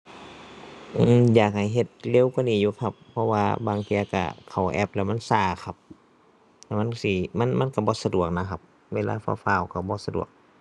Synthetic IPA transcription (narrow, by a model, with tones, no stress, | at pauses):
ʔɯː˧˩jaː˨˩k̚ha˨˩jɦe˧t̪̚le˧˥˨wkwa˧˥˨niː˧˩juː˧˦kʰa˧pʰːɔ˧waː˧baː˧ŋk̪i˧ə˧ka̰˧˩kʰa˨˩wʔɛ̰˧p̚lɛ˧˩ma˧˥˨nsaː˧˩kʰa˧˩p̚ | lɛ˧˩wma˧˥˨nsi˧˩ma˧˥˨nma˧˥˨nka˧˩bɔː˧˦sa˧du˨˩ək̚na˧˩kʰa˧p̚ | weː˧˨la̰ː˧˩fa̰ː˧faː˧˩˨wka˧˩bɔː˧˦sa˧dṵ˨˩ək̚